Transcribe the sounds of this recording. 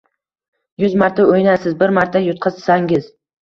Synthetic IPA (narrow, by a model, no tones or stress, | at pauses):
jʊzmaɾt̪ʰaojnasɪzbɪɾmaɾt̪ʰajʊt̪̚qʰɨzsaŋɡʲɪz̥